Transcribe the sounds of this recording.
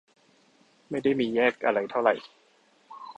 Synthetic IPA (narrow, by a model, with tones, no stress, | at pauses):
ma˥˩jda˥˩jmiː˧jɛː˥˩k̚ʔa̰˧ɾa˧jt̪ʰa˥˩wɾa˨˩j